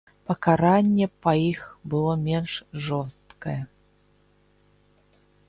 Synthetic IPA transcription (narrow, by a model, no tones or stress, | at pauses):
pɐkaɾanʲːɛpɐixbɨlˠɔmʲɛnʂʐɔst̪kɐjɛ